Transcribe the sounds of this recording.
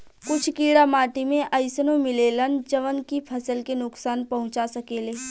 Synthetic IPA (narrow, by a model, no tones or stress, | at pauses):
kʊt͡ʃʰkiːɽamaːʈimẽʔəɪsənõmɪleːlənd͡ʒəʋənkipʰɐsəlkenʊksaːnpɐɦʊ̃t͡ʃasɐkeːleː